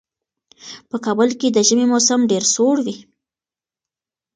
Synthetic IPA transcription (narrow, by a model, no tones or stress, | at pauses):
pəkɑbəlked̪əʒəmemosamɖeɾsoɽwi